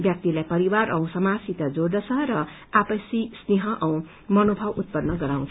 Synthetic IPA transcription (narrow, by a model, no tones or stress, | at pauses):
bjʌk̚t̪ilajpʌɾiwaɾʌũsʌmasit̪ad͡zoɾd̪ʌt͡sʰʌɾʌ | apʌsisneɦʌʔʌũ | mʌnobʱʌbut̪̚pʌnnːʌɡʌɾaw̃nt͡sʰ